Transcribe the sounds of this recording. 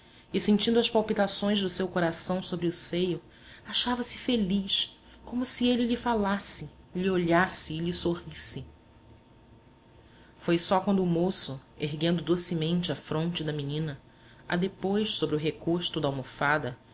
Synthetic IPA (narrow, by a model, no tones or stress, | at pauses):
ɪsẽnt͡ʃĩnd̪ʊɐʃpawpit̪asõj̃zd̪ʊsewkoɾasɐ̃w̃sobɾɪʊsejʊ | aʃavɐsɪ̥feliʃ | kõmʊsielɪlɪfalasɪ | lioʎasɪːʎisohisɪ | fojsɔkwɐ̃nd̪ʊːmosʊeɦɡẽnd̪ʊd̪osimẽnt͡ʃɪafɾõnt͡ʃɪd̪ɐminĩnɐ | a̰d̪epojʃsobɾʊɦekoʃt̪ʊd̪ɐawmofad̪ɐ